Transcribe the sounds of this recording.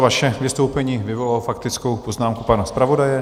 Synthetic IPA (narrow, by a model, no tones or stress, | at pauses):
vaʃɛvɪst̪o̞wpɛɲiːvɪvo̞lalofakt̪ɪt͡sko̞wpo̞znaːmkupanaspɾavo̞dajɛ